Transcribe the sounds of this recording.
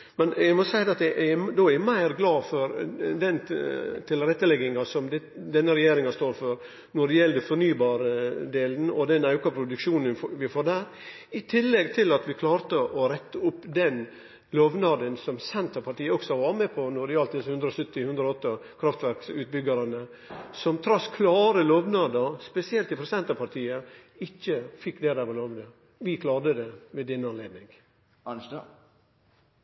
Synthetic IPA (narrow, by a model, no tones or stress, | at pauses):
mɛnjæɪmɔsæɪd̪ɛɑt̪d̪ɛʔæd̪oːæmæɪɾɡlɑːfɔɾd̪ɛnt̪ʰɪlɾɛt̪ːəlɛɡɪŋɑsɔmd̪ɛ | d̪ɛnːəɾɛjeːɾɪŋɑst̪oːɾfɔɾ | nɔɖɛjɛlːd̪əfɔɾnyːbɑːɾəd̪eːlənɔd̪ɛnɑʉkɑpʰɾʊd̪ʉkʂuːnənʋɪfoːɾd̪æːɾ | ɪt̪ʰɪlːɛɡt̪ʰɪlɑt̪ʋɪkʰlɑːɾt̪əʔɔɾɛt̪ːəʊpːd̪ɛn | loːʋnɑd̪ənsɔmsɛnt̪ʰəpʰɑʈ̪iːəɔksɔʋɑːɾmɛpʰɔnɔɾɪɑlt̪d̪ɪshʉnd̪ɾəɔsʏt̪ːɪhʉnd̪ɾɔɔt̪ːəkʰɾɑft̪ʋæɾksʉːt̪̚bʏɡɑɾɑnə | sɔmt̪ʰɾɑskʰlɑːɾəloːʋnɑːd̪əɾspɛsɪɛlt̪ːɪpʰɾɛsɛnt̪ɑpɑɾt̪ʰiːə | ɪçːəfɪkːd̪eːd̪æʋɑloːʋd̪ə | ʋɪkʰlɑːɾd̪əd̪ɛʋed̪ɛnːəɑnleːd̪nɪŋ